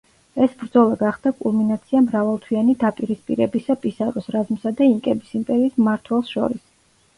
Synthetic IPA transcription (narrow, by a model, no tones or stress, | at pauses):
ɛsbɾd̪zɔlˠaɡaχd̪akʼṵlˠminat̪sʰiamɾavalˠt̪ʰwianid̪apʼiɾispʼḭɾɛbisapʼisaɾɔsɾazmsad̪aiŋkʼɛbisimpʼɛɾiːismaɾt̪ʰwɛlˠsʃɔ̰ɾis